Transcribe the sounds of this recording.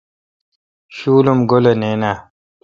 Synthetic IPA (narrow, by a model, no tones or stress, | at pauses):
ɕuːlumɡoleneːnaː